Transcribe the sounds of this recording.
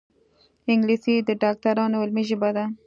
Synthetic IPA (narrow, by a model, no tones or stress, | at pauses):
ɪŋɡlisid̪əɖɑk̚t̪aɾɑnoɪlmiʒəbad̪a